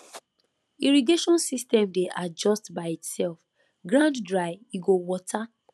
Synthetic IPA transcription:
iɹiɡeʃɔ̃nsistɛ̃mdeʔad͡ʒɔstbaɪitsɛlf | ɡɾãnddɹaɪiɡowɔtʰa

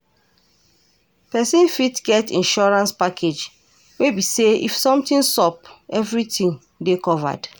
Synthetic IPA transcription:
pɛsĩnfitɡɛtĩnʃɔɹãnspakʰed͡ʒ | webiseḭfsɔ̃mtĩnsɔpɛvɹitĩn | dekɔva̰d̥

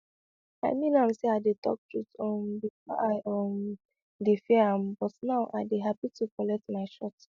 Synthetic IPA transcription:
a̰ɪmĩnanseaɪdetɔ̰k̚tʰɹutɔ̃mbifɔ̰ʔaɪɔm | defiãmbɔtnaʊʔa̰deɦapitʰukɔlɛk̚tmaɪʃɔt

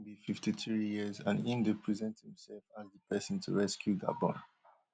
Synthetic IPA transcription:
bififtiθɹijizã̰nĩndəpʰɹizɛ̃nthĩmsɛlfasdəpʰɛsə̃ntʰṵɹɛskʰjuda̰bɔ̰̃n

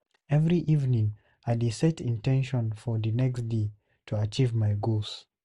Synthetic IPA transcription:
ɛvɹiʔivnĩŋ | adesɛtĩntʰɛ̃nʃɔ̃nfɔðɨnɛksde | tʰuat͡ʃivmaɪɡos

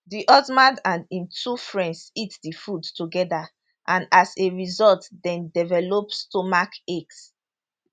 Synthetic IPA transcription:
diʔɔzmãndãnĩntʰufɹɛ̃ndsitdifudtuɡɛda | ʔãnaseɹizɔltdɛ̃ndɛvɛlopstomakeks

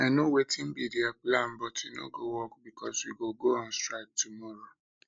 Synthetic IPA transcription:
ɛnõwetĩm̩bidiaplam̩bɔtʰino̰ɡowɔkbikʰɔswiɡoɡoɔ̃nstɹak̚tumɔɾo

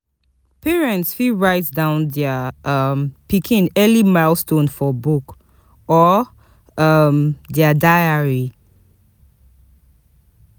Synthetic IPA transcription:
pʰɛɹɛ̃ntsfiɹaɪtsdãʊ̃nðɛəʌmpikʰĩnɛlimaɪlstõnfɔbuk | ɔ | ʌmðɛədaɪəɹi

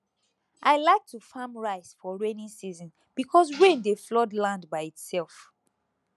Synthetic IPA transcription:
ʔaɪlaɪk̚tʰufãmɹaɪsfɔɹẽnĩsizɔ̃n | b̥ikʰɔs̬wẽndeflɔdlãndbaɪitsɛlˠf

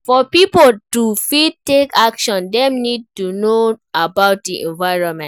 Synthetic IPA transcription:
fɔpipoltufid̚tekakʃɔ̃ndɛ̃mnid̚tunoabaʊt̚diʔɛ̰̃nvaɪɹɔ̃nmɛ̃

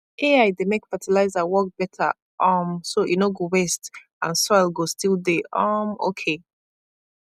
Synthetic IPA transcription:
ʔeaɪdemekfətʰilaɪzawɔk̚b̥ɛtʰə̰ | ʔʌmsojʔṵnoɡowɛst | ã̰nsoaɪlɡostilˠdeʔʌmo̰kʰe

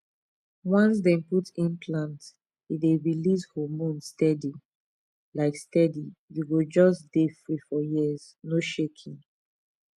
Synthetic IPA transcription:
wɔ̃ns̬dɛ̃nputĩnpʰlãnt | ideɹilishɔmõnstɛdi | laɪkstɛdijuɡud͡ʒɔsd̥efɹifɔjiz | noʃekʰĩn

